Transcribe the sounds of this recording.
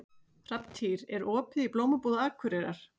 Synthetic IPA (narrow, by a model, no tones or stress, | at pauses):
r̥apt̪ʰiɾɛɾɔːpɪðiploːwmapoːðaaːkʰʏɾeɾaɾ̥